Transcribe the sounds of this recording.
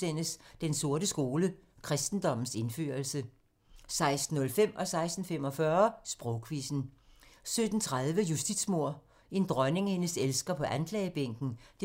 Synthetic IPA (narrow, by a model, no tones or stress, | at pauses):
en̰əsd̥enso̝ɐ̰ɾəsɡ̥o̝ːləkʰʁɛsd̥n̩d̥ɒ̽m̰n̩se̝nfø̰ɐlsə | sɑ̈ɪsd̥n̩ːɔ̽lfem̰ʔɒ̽sɑ̈ɪsd̥n̩fem̰ɒ̽fɶɐsb̥ʁɔʊkʰʋisn̩sød̥n̩t͡sʰʁaðˠʋəjusd̥id̥smo̝ɐ̰ | e̝nd̥ʁɶne̝ŋhe̝nəselsɡ̥ɐpʰɒ̽ʔænkʰlɛːb̥eŋ̰ɡ̥n̩d̥e